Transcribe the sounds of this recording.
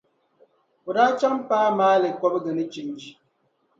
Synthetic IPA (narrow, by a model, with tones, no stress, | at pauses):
o˨da˦t͡ʃa˦ŋm̩˦paː˦maː˦le˨kɔ˦bɡɛ˨nə˦t͡ʃi˨n˦d͡ʒi˨